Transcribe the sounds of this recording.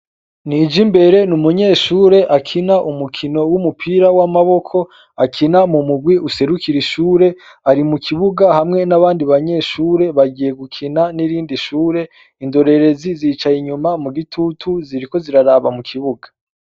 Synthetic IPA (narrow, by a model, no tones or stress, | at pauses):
niːd͡ʒimbe̞ɾe̞numuɲe̞ːʃuːɾe̞ʔakʰinaʔumukʰino̞wumupʰiːɾawamaβo̞kʰo̞ | akʰinamumuɡwiʔuse̞ɾukiɾiʃuːɾe̞ | aɾimukʰiβuɡahamŋe̞naβaːndiβaɲe̞ʃuːɾe̞βaɡije̞ɡukʰinaniɾiːndiʃuːɾe̞ | indo̞ɾe̞ɾe̞ziziːt͡ʃajiɲumamuɡitʰutʰuziɾiko̞ziɾaɾaβamukʰiβuɡḁ